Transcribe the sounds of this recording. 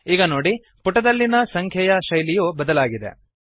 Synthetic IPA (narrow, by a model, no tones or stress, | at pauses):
iːɡɐnoːɽi | puʈːɐd̪ɐlːinɐsɐŋkʰjɛjɐʃɐjlijubɐd̪ɐlaːɡid̪e̞̰